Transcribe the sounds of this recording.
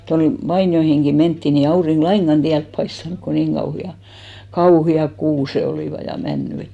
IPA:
toin ʋɑinjoihiŋɡ̊i mentːi ni ei ɑuriŋɡ̊ lɑiŋɡ̊ɑn tiælp pɑistɑnŭk ko niŋ kɑuhiɑ kɑuhiɑk kuːse oliˑʋɑ jɑ mænːy et

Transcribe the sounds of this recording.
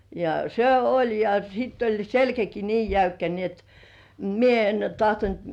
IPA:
jɑ se olʲ jɑ sitː olʲ selkæki niː jæykːæ ni et mie en tɑhtont

